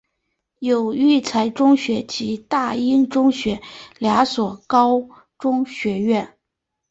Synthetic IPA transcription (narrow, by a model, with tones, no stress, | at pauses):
jo˨˩ʊy˥˩t͡sʰa˧˥ɪʈ͡ʂʊ˥ŋɕɥɛ˧˥t͡ɕi˧˥t̪a˥˩i˥nʈ͡ʂʊ˥ŋɕɥɛ˧˥lja˧˥swɔ˨˩kɑ˥ʊ | ʈ͡ʂʊ˥ŋɕɥɛ˧˥ɥɛ˥˩n